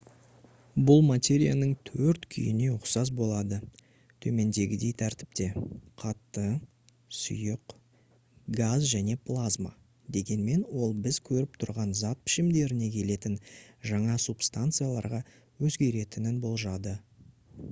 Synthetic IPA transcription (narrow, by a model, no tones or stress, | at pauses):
bʊlˠmat̪ʲe̞ɾʲijanəɴt̪ʰɵɾt̪kʲʰʏ̰jɪne̞ʊqsɑzbo̞lˠɑd̪ə | t̪ʰɵme̞nd̪e̞ɡʲɪd̪e̞jt̪ʰæɾt̪ɪ̥p̚t̪e̞qʰɑt̪ːə | sʊ̰jəq | ɡazʒæne̞plˠazma̰ | d̪e̞ɡʲe̞nme̞nwo̞lˠbɪzkʲʰɵɾɪp̚t̪ʰʊɾʁɑnzɑt̪̚pʰɪ̥ʃɪmd̪e̞ɾɪne̞kʲʰe̞le̞t̪ɪnʒɑɴɑsupst̪ant̪sɨjalˠɑɾʁɑ | wɵzɡʲe̞ɾe̞t̪ɪnɪnbo̞lˠʒɑd̪ə